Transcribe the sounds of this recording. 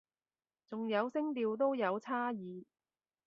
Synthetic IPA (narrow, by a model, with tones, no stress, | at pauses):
t͡sʊ˨ŋjɐ˨˧wsɪ˥ŋt̪iː˧wt̪̬o˥wjɐ˨˧wt͡sʰaː˥jiː˨˧